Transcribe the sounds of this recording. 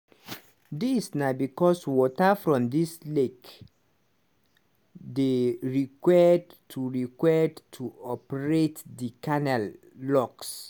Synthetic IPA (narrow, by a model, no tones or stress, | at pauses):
disnabikɔswɔtafɹɔ̃mdislek | deɹikwɛdtʰuɹikwɛdtʰuɔpəɹetdikanɛlː | ɔks